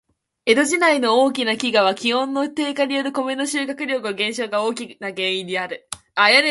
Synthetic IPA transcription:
e̞d̪o̞ʑinaino̞oːk̬ʲinakʲiɡaβ̞akʲihõ̞nːo̞t̪e̞ːkaɲʲijoɾɯ̟ko̞me̞no̞ɕɨːkakɯ̟ɾʲo̞kɯ̟oɡẽ̞ɰ̃ɕo̞ːɡao̞ːkʲinaɡẽ̞ɰ̃ĩɲd̪ʲiaɾɯ̟ | ajane

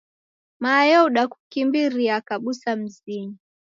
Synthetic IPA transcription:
majɔuɗaku̥kimbiɾiakaɓusam̩ziɲi

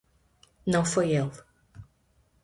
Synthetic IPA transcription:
nɐ̃w̃fojelˠ

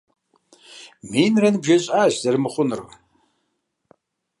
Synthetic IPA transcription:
minranbʒaɕʷʼaːʒzarmɨχʷʊnra

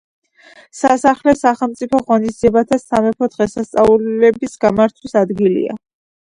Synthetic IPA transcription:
sasaχlɛsaχɛlˠmt̪sʼipʰɔʁɔnisd̪ziɛbat̪ʰasamɛpʰɔd̪̥ʁɛsast̪sʼaulɛbisɡamaɾt̪ʰwisad̪ɡilḭa̰

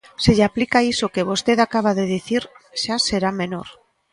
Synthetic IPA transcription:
seʎaplikaisokeβ̞ost̪eðakaβ̞aðeðiθiɾʃaseɾamenoɾ

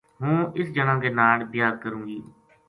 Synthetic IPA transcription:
ɦũːɪsd͡ʒənãːɡeːnaːlbɪjaːd̪kəɾũːɡiː

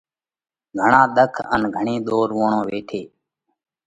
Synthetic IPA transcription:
ɡʱəɳãːɗ̪əkʰə̰nɡʱəɳẽːɗ̪oːɾʋoːɳõːʋeːʈʰeː

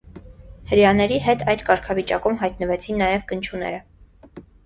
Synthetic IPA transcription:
həɾjɑnɛɾiɦɛt̪ʰɑjd̪kɑɾkʰɑvit͡ʃɑkumɦɑjt̪nəvɛt͡sʰinːɑjɛvɡənt͡ʃʰunɛ̰ɾə

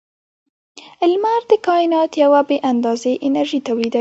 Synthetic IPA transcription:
ɪlmaɾd̪əkɑɪnɑt̪jawabeʔand̪ɑzeʔɪnaɾʒit̪awlid̪a

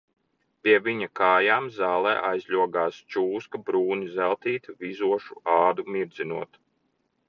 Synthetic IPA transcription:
pʲiɛviɲakaːjaːmzaːlˠɛ̰ːʔajzʲʎʲuɔɡaːst͡ʃuːskɐbɾuːnizælˠt̪iːt̪vizuɔʃuɑːd̪umiɾd̪zinuɔt̪

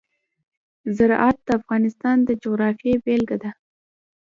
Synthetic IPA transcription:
zaɾʔɑt̪̚d̪əafɣɑnɪst̪ɑnd̪əd͡ʒoɣɾɑfijebelɡad̪a

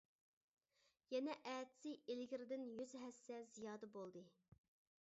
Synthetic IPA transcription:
jɛnɛʔɛːt̪ʰɪ̥sɪelɪɡʲɪɾɪd̪ɪnjyzɦɛsːɛzijɑːd̪əbolˠd̪ɨ

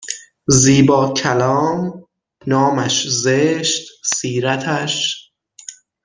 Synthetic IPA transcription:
ziːbɒːcʰælɒːm | nɒːmæʃzeʃt̪siːɾæt̪ʰæʃ

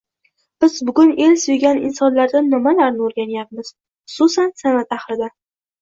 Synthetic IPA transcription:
b̥ɪz̥bʊɡʲʊne̞lsojɡʲanɪ̰nsɒnlaɾd̪anːɪmalaɾnɪoɾɡʲanjap̚mɪz̥ | χʊ̥sʊsansanat̪aχɾɪd̪a

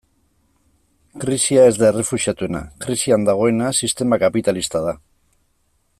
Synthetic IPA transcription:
kɾisiae̞zd̪aere̞fuʃiat̪uena̰kɾisiand̪aɣ̞o̞e̞nasist̪e̞makapit̪alist̪að̞a

